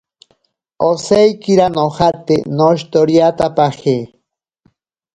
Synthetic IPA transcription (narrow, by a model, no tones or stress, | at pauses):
osejkiɾanohat̪enoʃt̪oɾjat̪apahe